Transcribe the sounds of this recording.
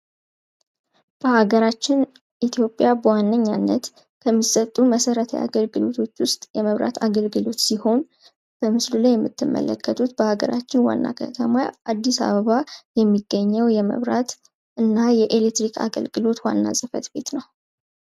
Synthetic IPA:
b̥əhaɡəɾat͡ʃːɪn | ʔit̪ʰjo̞pʼjabəwanːəɲːanːət̪ | kʰəmːisʼət̪ʼːuməsəɾət̪ʰə̰ja̰ɡəlɡɨlo̞t̪ʰo̞t͡ʃːwʊst̪ʼjɛməβɾa̰t̪ʰaɡəlɡɨlo̞t̪siho̞n | b̥əmɨslulajːɛmːɨt̪ʰːɨmːʔə̰lə̰kːət̪ʰut̪b̥əhaɡə̰ɾat͡ʃːɪnwa̰nːa̰kʰə̰t̪ʰəmaʔad̪ːisa̰βəβajɛmːiɡːəɲːəwjɛmə̰βɾat̪ | ʔɨnːajɛʔelet̪ɾikʰa̰ɡə̰lɡɨlo̞t̪wa̰nːa̰sʼɨfə̰t̪be̞̰t̪nəw

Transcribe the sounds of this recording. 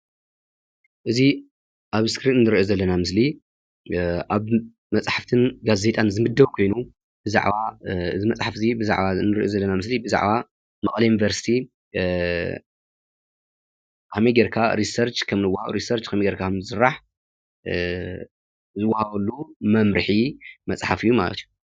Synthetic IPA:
ʔɨzi | ʔaβskɾit̪ɨnːɨɾiʔozɐlːɐnamɨsli | ʔaβ | mɐt͡sʼħaft̪ʰɨnɡaze̞t̪ʼanzɨmɨd̪ːɐβkʰo̞jnu | bɨza̰ʕβaɨzɨmɐt͡sʼħafzibɨza̰ʕβanɨɾiʔozɐlːɐnamɨslibɨza̰ʕβa | mɐχʼlɐjunivɐɾsi̥t̪ʰi | kʰɐmiɡɐɾkʰaɾisɐɾt͡ʃkʰɐmnɨwːahaβuɾisɐɾt͡ʃkʰɐmiɡɐɾkʰakʰɐmɨsɨɾːaħ | zɨwːahɐβɐlːumɐmɾɨħimɐt͡sʼħafɨjːumalɐ̰t̪iju

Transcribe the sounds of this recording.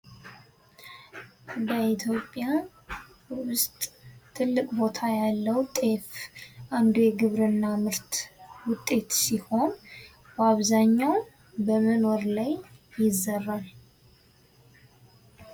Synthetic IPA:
b̪əit̪ʰjo̞pʼːja | wʊst̪ʼt̪ʰɨlːɨkʼbo̞t̪ʰajalːəwt̪ʼe̞fʔand̪oeɡɨβɾɨnːamɨɾt̪wʊt̪ʼːe̞t̪siho̞n | baβzaɲːaw | bəməno̞ɾlajːɪzːərːaɾ

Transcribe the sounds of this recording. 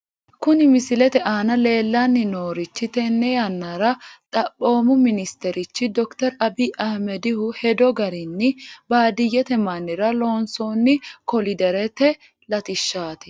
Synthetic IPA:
kʊnɪmɪsɪlɛt̪ɛʔaːnɐle̞ːlːanːɪnoːɾɪt͡ʃːɪt̪ɛnːɛjɐnːɐɾɐt̪ʼɐpʼːo̞ːmʊmɪnɪst̪ɛɾɪt͡ʃːɪd̪ɔkt̪ɛɾɐbiːʔɐhmɛd̪ɪhʊhɛd̪ɔɡɐɾɪnːɪbaːd̪ɪjːɛt̪ɛmɐnːɪɾɐlo̞ːnsoːnːɪkɔlɪd̪ɛɾɛt̪ɛ | lɐt̪ɪʃːaːt̪ɛ̥

